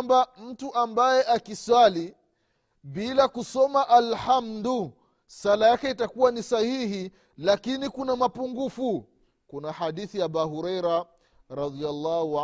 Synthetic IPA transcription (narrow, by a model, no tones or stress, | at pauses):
mbam̩tuʔambajɛʔakiswali | ɓilakusɔmaʔalhamdu | salajakɛitakuwanisahihi | lakinikunamapuŋɡufu | kunahaɗiθiaɓaɦuɾɛjɾa | ɾɑðialːahu